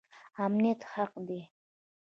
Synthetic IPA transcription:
amnijat̪haqd̪i

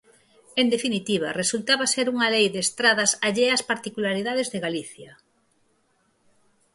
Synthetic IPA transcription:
end̪efinit̪iβ̞ɐ̰result̪aβaseɾuŋɐlejðeːst̪ɾaðɐsaʎeaspaɾt̪ikulaɾiðað̞ezðeɣaliθjɐ

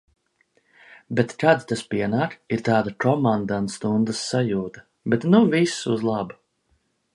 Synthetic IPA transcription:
bet̪kad̪t̪aspiɛnaːkiɾt̪aːd̪akɔmand̪ant̪st̪und̪əsːajuːt̪ɐ̥ | bɛt̪nuvisuzlˠɑbu

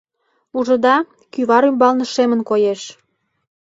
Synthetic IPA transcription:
uʒɤ̆d̪ɑ | kyβɑɾymbɑlnə̆ʃemənkojeʃ

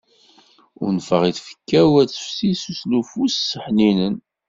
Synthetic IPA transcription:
ʊ̰ɾnfəʁiθfə̥kːæwæt͡sːə̥fsisuslufussːəħninən

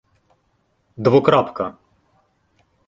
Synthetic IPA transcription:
d̪vɔkɾapka

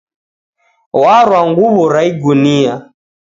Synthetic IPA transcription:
waɾwaŋɡuβɔɾaiɡunia

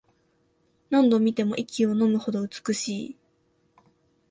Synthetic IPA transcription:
nãnd̪õ̞mʲit̪e̞mo̞ʔikʲio̞no̞mɯ̟ho̞d̪o̞ɯ̟t͡sɨ̥kɯ̟ɕiː

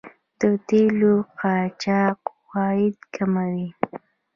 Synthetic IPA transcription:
d̪̥ət̪eloqɑt͡ʃɑqwɑjɪd̪kʰamawi

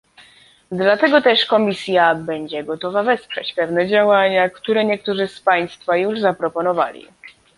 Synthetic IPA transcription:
d̪lat̪ɛɡɔt̪ɛʂkɔmʲisʲjabɛɲd͡ʑɛɡɔt̪ɔvavɛspʂɛ̰t͡ɕpɛvnɛd͡ʑawaɲakt̪uɾɛɲɛk̚t̪uʐɘspaj̃st̪fajuʐzapɾɔpɔnɔva̰lʲḭ

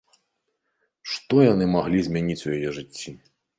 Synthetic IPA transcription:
ʂt̪ɔjanɨmaɣlʲizʲmʲanʲit͡sʲujajɛʐɨt͡sʲːi

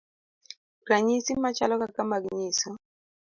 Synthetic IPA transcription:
ɾaɲisimat͡ʃalɔkakamaɡɲɪsɔ

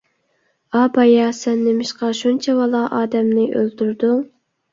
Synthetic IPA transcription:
ɑbɑjɑsɛnːɪmɪʃqɑʃunt͡ʃʰɛwɑlˠɑʔɑːd̪ɛmnɪʔø̰lt̪yɾd̪uŋ

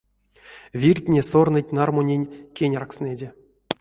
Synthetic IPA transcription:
vʲirʲtʲnʲesornɨt̚ʲnarmonʲenʲkʲenʲarksnʲedʲe

